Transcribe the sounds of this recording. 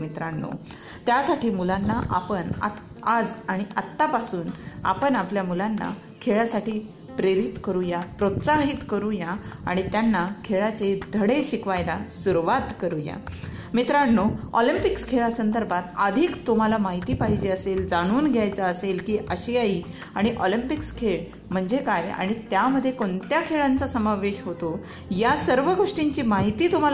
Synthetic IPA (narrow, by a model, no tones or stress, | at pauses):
mit̪ɾaɳːo̰ | t̪jasaʈʰiːmulanːaʔapəɳa̰ | ad͡zaɽ̃iʔət̪ːapasuːna̰pəɳapljamulanːa̰ | kʰeɭasaʈiː | pɾeɾit̪kəɾũjapɾot̪saɦit̪kəɾũjaa̰ɽ̃it̪janːakʰeɭat͡sed̪ʱəɽeɕikʋajlasuɾuʋat̪kəɾũja̰ | mit̪ɾaɽnoɔlimpikskʰeɭasənd̪əɾbʱat̪əd̪ʱiːkt̪um̤alamaɦit̪iːpaɦid͡ʑiːəseld͡zaɽ̃uːnɡʱjajt͡saəselkiːʔəɕiaiː | aɽ̃iʔɔlimpikskʰeɭ | m̤əɳd͡zekaja̰ɽ̃it̪jaməd̪ʱːjekoɳt̪jakʰeɭant͡sasəmaʋeɕɦot̪o | jasəɾʋəɡʱoʂʈiɲt͡ɕiːmaɦit̪iːt̪um̤al